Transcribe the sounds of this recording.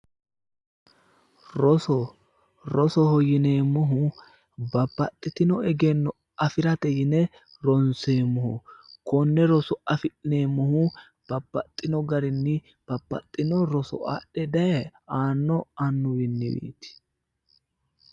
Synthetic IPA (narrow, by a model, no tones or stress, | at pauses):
ɾɔsɔ | ɾɔsɔhɔjɪneːmɔɦʊ | bɐpːɐt̪ʼːɪt̪ɪnɔɛɡɛnːɔ | ɐfɪɾɐt̪ɛjɪnɛ | ɾɔnseːmɔhʊkɔnːɛɾɔsɔɐfɪʔɪne̞ːmːɔhʊ | b̥ɐbːɐt̪ʼːɪnɔɡɐɾɪnːɪ | b̥ɐbːɐ̰t̪ʼːɪnɔɾɔsɔ̰a̰ːɗɛd̪ɐjɛaːnːɔɐnːʊwɪnːɪ̰wḭːt̪ɪ̥